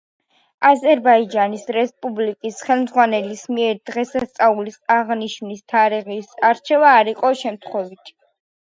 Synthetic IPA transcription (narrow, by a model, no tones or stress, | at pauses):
azɛɾbaid͡ʒanisɾɛspʼublikʼisχɛlˠmd̪zʁwanɛlismiɛɾd̪ʁɛsast̪sʼaulisaʁniʃnist̪ʰaɾiʁisaɾt͡ʃʰɛvaːɾiqʼɔʃɛmt̪ʰχwɛvit̪ʰ